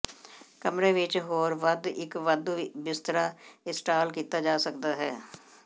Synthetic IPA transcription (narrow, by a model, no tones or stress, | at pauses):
kəmɾeʋɪt͡ʃɦoːɾʋəd̪ɪkʋəd̪bɪst̪ɾaɪsʈaːlkiːt̪ad͡ʒaːsəkd̪aɦɛː